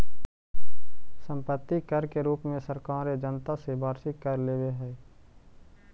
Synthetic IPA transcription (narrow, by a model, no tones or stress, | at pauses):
sə̃mpət̪ːikəɾkeɾuːpmẽsəɾkaːɾed͡ʒənt̪asebʱaːɾʃɪkːəɾleːʋeɦɛː